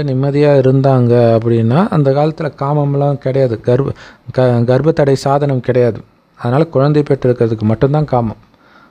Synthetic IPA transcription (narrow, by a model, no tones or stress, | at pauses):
nɪmːɐðɪjaːɪɾɯnd̪aːŋɡɐːp̬ːɐɽɪnːaːʔɐnd̪ɐkaːlɐt̪ːɪlɐkaːmɐmlãːkɪɽɐjaːðɯɡɐɾbɐɡɐɾbɐt̪ːɐɽɐɪsaːðɐnɐmkɪɽɐjaːðɯ | ɐðɐnaːlɐkʊɻɐnd̪ɐɪpeʈːɪɾɯkːɪɾɐðɯk̬ːɯmɐʈːɯnt̪ãːkaːmɐm